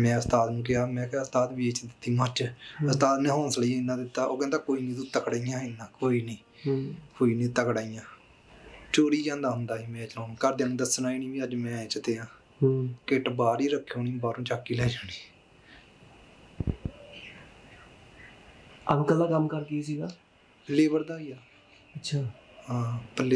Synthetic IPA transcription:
mɛ̃ːəst̪aːt̪nũːk̬ɪɦaːmɛ̃ːkaəst̪aːt̪ʋiːet͡ʃd̪ɪt̪ːiːmət͡ʃəst̪aːt̪nẽːɦoːnsləĩːɪnːãːd̪ɪt̪ːaːʔoːkɛ̃nd̪aːkoːiːnĩːd̪uːt̪əkɽaːijãːɪnːãːkoːiːnĩː | koːiːnĩːt̪əkɽaːijãː | t͡ʃoːɾiːd͡ʒãːnd̪aːɦʊnd̪aːɦiːmɛ̃ːt͡ʃəlãːkəɾd̪eːnũːd̪əsnaːinĩːʋiːəd͡ʒmɛ̃ːt͡ʃt̪eːãː | keːʈbaːɾiːɾəkʰːoːnĩːbaːɾũːt͡ʃaːkːiːlɛːd͡ʒaːniː | aʋkəlːaːkəmkəɾkiisiːɡaː | pəlːeːbəɾd̪aːiːaː | ətt͡ʃʰaːɦãːpəlːeː

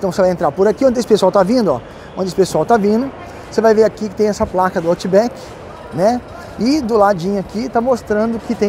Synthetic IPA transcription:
t̪ɐ̃w̃sevajẽnt̪ɾaɾpʊɾakiõnd̪esɪ̥pesʊawt̪avĩnd̪ʊɔ̰ | õnɪesɪpesʊawt̪avĩnd̪ʊ | sevajveɾakikɪt̪ẽj̃ɛsɐplakɐd̪ʊat͡ʃibɛkɪ̥ | nɛ | ɪd̪ʊlad͡ʒĩɲʊakit̪amost̪ɾɐ̃nd̪ʊkɪt̪ẽ

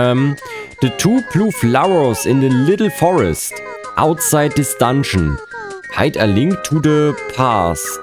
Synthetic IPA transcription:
m | ðətʰuːpʰluflaʊəsɪ̃nðəlɪɾl̩ˠfɔɹɛ̰st | ʔa̰ʊtsaɪd̚ɪstãnʃn̩ | ha̰ɪtəlɪ̃ŋktʰːuðəpʰas

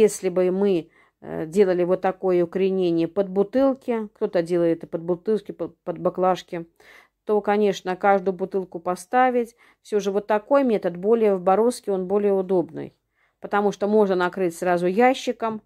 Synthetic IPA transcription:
jesʲlʲɪbɨmɨ | dʲe̞lˠəlʲɪvot̪ːɐko̞jəʊkɾʲɪnʲenʲɪjəpəd̪̚bʊt̪ɨlˠkʲɪkt̪o̞t̪ədʲe̞lˠəɪt̪ɛt̪əpəd̪̚bʊt̪ɨlˠkʲɪppəd̪̚baklˠaʂkʲɪ | t̪o̞kɐnʲe̞ʂnəkaʐd̪ʊjʊbʊt̪ɨlˠkʊpɐst̪avʲɪtʲ | fsʲoʐɨvot̪ːɐko̞jmʲet̪ət̪bo̞lʲɪjəvbɐɾo̞skʲɪo̞nbo̞lʲɪjəʊd̪o̞bnɨ̰j | pət̪ɐmuʂt̪omo̞ʐnənɐkɾɨtʲsɾazʊjaɕːɪkəm

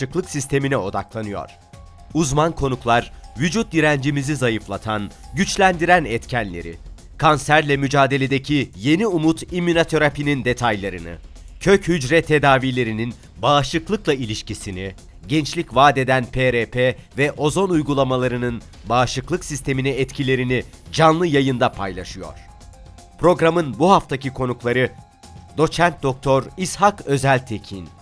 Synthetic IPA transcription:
ɯklˠɯksist̪ʰe̞minɛo̞d̪a̰klˠanɯjo̞̰ɾ̥ | uzmankʰo̞nuklˠaɾvyd͡ʒut̪̚diɾænd͡ʒimizizajɯflˠat̪ʰanɟyt͡ʃlʲænd̪iɾænɛt̪cʰænlʲe̞̰ɾḭ | kʰansæɾlʲɛmyd͡ʒaːd̪e̞lʲe̞d̪e̞cʰije̞niumut̪imːinat̪ʰo̞ɾapinind̪e̞t̪ʰajlˠaɾɯnɯ̰ | cʰøchyd͡ʒɾɛt̪ʰːe̞d̪aːvilʲe̞ɾinin | baːʃlˠɯklˠɯklˠailʲiʃcisini | ɟɛnt͡ʃlʲicvaːd̪e̞d̪ænpʰeɾepʰeːvɛʔo̞zo̞nujɡulˠamalˠaɾɯnɯn | baːʃɯklˠɯksist̪ʰe̞miniɛt̪cʰilʲe̞ɾinid͡ʒanlˠɯjajɯnd̪apʰajlˠaʃɯjo̞̰ɾ̥ | pɾo̞ɡɾamɯnbuɦaft̪ʰacikʰo̞nuklˠaɾɯ | d̪̥o̞t͡ʃʰænt̪̚d̪o̞k̚t̪ʰo̞ɾishakø̞zælʲt̪ʰecʰin

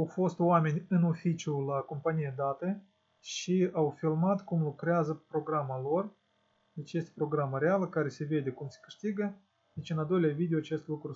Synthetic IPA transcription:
awfo̞st̪owame̞nʲɨno̞fit͡ʃiulako̞mpanijed̪at̪ə | ʃiawfilmat̪kumlukɾeazəpɾo̞ɡɾamalo̞r | d̪e̞t͡ʃje̞st̪ʲepɾo̞ɡɾaməɾealəkaɾe̞se̞ve̞d̪ʲe̞kumse̥kɨ̥ʂt̪iɡə | d̪e̞t͡ʃɨnald̪o̞jleavid̪eoat͡ʃe̞st̪lukɾu

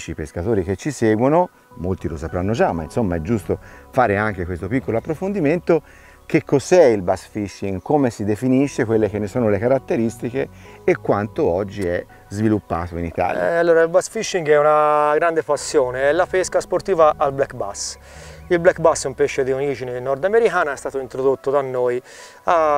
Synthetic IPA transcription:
t͡ʃipeskat̪oːɾik̟et͡ʃːisɛːɡwono | molt̪ilosapɾanːod͡ʒamːa̰insomːaɛd͡ʒːust̪ofaːɾeaŋkekwest̪opikːoloapːɾofond̪iment̪o | k̟ekʰːozɛilbasfiʃːiŋɡkoːmesid̪efiniʃːekwelːek̟enːesoːnolekaɾat̪ːeɾist̪ikeː | kːwant̪oɔd͡ʒːiɛ | zvilupːa̰ːt̪oḭnit̪a̰ːlja̰alːoːɾailbasfiʃːiŋɡɛunaɡɾand̪epasːjoːneɛlːapɛskaspoɾt̪iːvaʔːlblɛkba̰s | ilblɛkːbasumpɛʃːed̪ioɾiːd͡ʒinenɔɾd̪ameɾikaːnaɛst̪aːt̪oint̪ɾod̪ot̪ːod̪anːoːj | a

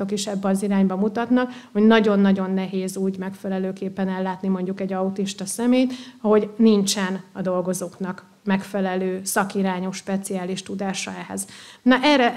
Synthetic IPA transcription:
o̞kiʃɛbːɛɒziɾaːɲbɒmut̪ɒt̪nɒkho̞ɟnɒɟo̞nːɒɟo̞nːɛɦeːzuːɟmɛkfɛlɛløːkeːpːɛnɛlːaːt̪nimo̞ɲɟukɛɟːɒut̪iʃt̪ɒsɛmeːjt̪ho̞ɟnint͡ʃɛnɒd̪o̞lɡo̞zoːknɒk | mɛkfɛlɛløːsɒkiɾaːɲo̞ʃːpɛt̪siaːliʃt̪ud̪aːʃɒ̰ɛhɛ̰znɒʔɛrɛ

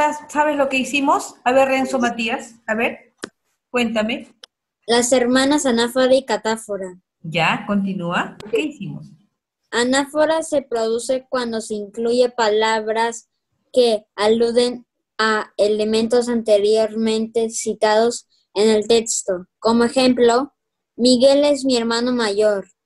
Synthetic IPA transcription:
assaβeslo̞keisimosaβerensomat̪iasaβeɾ | kwent̪ame | lase̞ɾmãnasanafaðeikat̪afoɾa | d͡ʒako̞nt̪̬inuaokeisimos | anafoɾase̞pɾo̞ðuse̞kwand̪o̞seiŋkluʝe̞palaβɾas | ke̞aluðe̞n | aele̞mẽnt̪o̞s̬ant̪e̞ɾjo̞ɾmẽ̞nt̪e̞sit̪að̞o̞s | e̞ne̞lt̪e̞kst̪o̞ko̞moe̞xe̞mplo̞ | miɣe̞le̞zmie̞ɾmãno̞maʝo̞ɾ

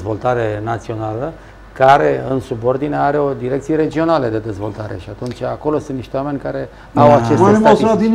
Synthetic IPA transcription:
zvo̞lt̪aɾe̞nat̪sio̞nalə | kaɾe̞ɨnsubo̞rd̪ineeaɾe̞o̞d̪iɾe̞k̚t̪sije̞ɾe̞d͡ʒio̞nale̞d̪e̞d̪e̞zvo̞̰lt̪aɾe̞̰ʃiat̪unt͡ʃʲako̞lo̞sɨnniʃt̪ewame̞nʲkaɾe̞ | awat͡ʃesenmosɾad̪in

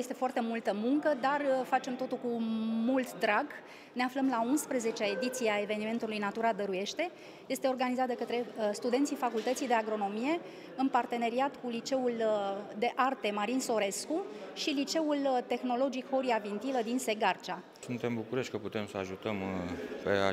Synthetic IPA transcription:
je̞st̪e̞foart̪e̞mult̪əmuŋkəd̪arfat͡ʃe̞mt̪o̞t̪ulkumult̪d̪ɾaɡ | ne̞afləmlaunspɾeze̞t͡ʃeae̞d̪it̪sijeae̞ve̞nime̞nt̪ulujnat̪uɾad̪əɾuje̞ʃt̪e̞ | je̞st̪e̞o̞rɡanizat̪̚d̪e̞kət̪ɾe̞st̪ud̪e̞nt̪sifakult̪ət̪sijd̪e̞aɡɾo̞no̞mije̞ | ɨnpart̪e̞ne̞ɾiat̪kulit͡ʃe̞uld̪e̞ʔart̪e̞maɾinso̞ɾe̞skuʃilit͡ʃe̞ult̪e̞xno̞lo̞d͡ʒikho̞ɾiavint̪iləd̪inse̞ɡart͡ʃa | sunt̪e̞mbukuɾeʃt̚ʲkəput̪e̞msəa̰ʒut̪əmpḛa̰

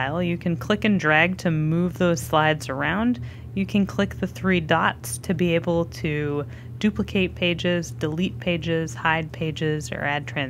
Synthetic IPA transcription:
ɪlˠjɨkʰɨ̃nkʰl̥ɪkɨ̃ndɹæɡ̚tʰɨmuvðoʊz̥slaɪdz̥ə˞ãʊ̃nd | jɨkʰɨ̃nkʰl̥ɪk̚ðɨθɹidɑtstʰɨbieɪbl̩ˠtʰɨ | d̥ʉpləkʰeɪt̚pʰeɪd͡ʒɪzdɨlit̚pʰeɪd͡ʒɪz̥haɪd̚pʰeɪd͡ʒɪzə̰˞æd̚tʰɹ̥æ̃

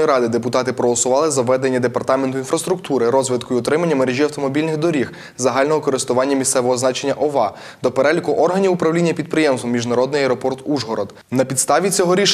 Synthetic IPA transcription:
iɾɑd̪ɪd̪epʊt̪ɑt̪ɪpɾɔɦɔlˠɔsʊʋɑlˠɪzɐʋɛd̪e̞nʲːɐd̪e̞pɐrt̪ɑment̪ʊinfɾɐst̪ɾʊkt̪uɾɪɾɔzʋɪt̪kʊjiɔt̪ɾɪmɐnʲːɐmeɾeʒʲiɐwt̪ɔmɔbʲilʲnɪɣd̪ɔɾʲix | zɐɦɑlʲnɔɦɔkɔɾɪst̪ʊʋɑnʲːɐmʲist̪sɛʋɔɦɔznɑt͡ʃe̞nʲːɐʔɔʋɑ | d̪ɔpeɾɛlʲikʊʔɔrɦɐnʲiʊpɾɐwlʲinʲːɐpʲid̪̚pɾɪjemst̪ɔmʲiʒnɐɾɔd̪nɪjɐɛɾɔpɔrt̪uʒɦɔɾɔd̪ | nɐpʲid̪st̪ɑʋʲit͡sʲɔɦɔɾʲiʃ

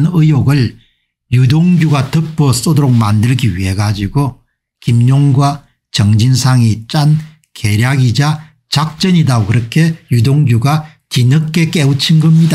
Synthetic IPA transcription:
nɯjoɡɯɭ | judoŋɡjuɡatɯp͈ʰos͈odoɾok̚mandɯɭɡiwḭe̞ɡad͡ʑiɡo | kimɲoŋɡwa | t͡ɕʌŋd͡ʑinsʰaŋit͡ɕ͈an | ke̞ɾjaɡid͡ʑa | t͡ɕak̚t͡ɕ͈ʌɲidaokɯɾʌkʰe̞judoŋɡjuɡa | t͡ɕinɯkk͈ːe̞k͈eut͡ɕʰinɡʌmɲida

